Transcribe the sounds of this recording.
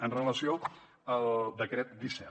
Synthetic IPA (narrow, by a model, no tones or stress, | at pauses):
ənrələsio | əlˠd̪əkɾɛt̪̚d̪isɛ